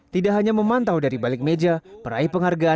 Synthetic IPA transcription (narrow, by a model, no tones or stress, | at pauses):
t̪idaʔɦaɲaməmant̪awdaɾibalɪk̚med͡ʒapəɾaipəŋɦarɡa